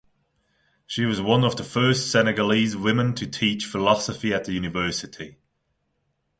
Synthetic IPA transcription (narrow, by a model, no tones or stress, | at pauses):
ʃiwɒzwʌ̃nəvðəfɜˑstsɛnɛɡəlizwɪmɪ̃ntʰətʰiˑt͡ʃfɪlɒsəfiəʔðəjʉːnɪvɜˑsɪtʰi